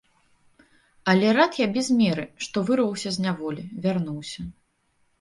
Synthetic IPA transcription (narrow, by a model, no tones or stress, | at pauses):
ɐlʲɛɾat̪jabʲɛzmʲɛɾɨʂt̪ɔvɨrvɐwsʲɐzʲnʲavɔlʲivʲarnuwsʲɐ